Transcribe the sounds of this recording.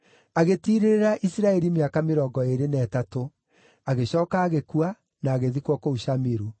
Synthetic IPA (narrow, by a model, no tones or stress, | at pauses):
aɣetiɾeɾeɾaʔisiɾaɛɾimeakameɾɔːɡɔeɾenɛːtato | aɣeɕɔːkaːɣekua | naːɣeðikwɔkouʃamiɾu